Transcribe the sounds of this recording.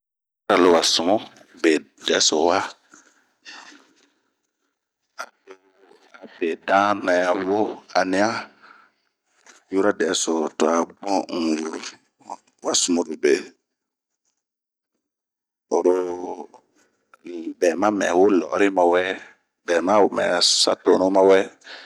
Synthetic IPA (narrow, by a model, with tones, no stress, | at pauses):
ɾa˨lo˨wa˨su˨mo˦ | be˨ | dɛ˨˦so˨wa˦ | a˨do˨ | a˨be˨dã˦na˨ja˨wo˦a˨ni˦a˦ | ju˦ɾa˦dɛ˨˦so˨to˨a˨ɡ͡bɔ̃˦ŋ̩˨wo˨ɾo˨ | wa˦su˨mo˨ɾu˨be˨ | o˨ɾo˦˨ | bɛː˨mã˦mɛ̰˨wo˦lɔ̰ː˨˦ɾi˦ma˨wɛ˦ | bɛː˨mã˦o˨mɛ̰̃˨sa̰˦toː˨˦nõ˦ma˦wɛ˦